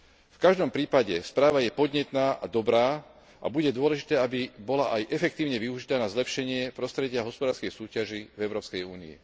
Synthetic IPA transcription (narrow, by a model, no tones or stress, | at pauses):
fkaʒd̪ɔmpɾiːpaɟɛspɾaːʋajɛpɔd̪ɲɛt̪naːʔad̪ɔbɾaː | ʔa̰buɟɛd̪ʊɔlɛʒit̪ɛːabibɔlaʔajʔɛfɛkt̪iːʊɲɛʋiuʒit̪aːnazlɛpʃɛɲɪɛpɾɔst̪ɾɛɟɪaɦɔspɔd̪aːɾskɛjsuːcaʒivɛʊɾɔːpskɛjuːnḭḭ